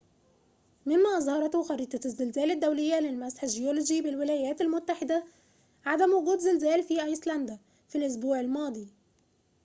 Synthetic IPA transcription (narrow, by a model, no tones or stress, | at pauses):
mɪmːæʔɑzˤhɑɾˤɑt̪xɑɾiːt̪ˤɑzːɪlzæːlɪd̪ːæwlɪjːælɪlmæsħɪʒɪjolod͡ʒibɪlwɪlæːjæːt̪ɪlmʊt̪ːaħɪd̪æ | ʕad̪æmwʊɡuːd̪zɪlzæːlfiːʔɑjslænd̪æ | filʔʊs̬buːʕɪlmɑːd̪ˤiː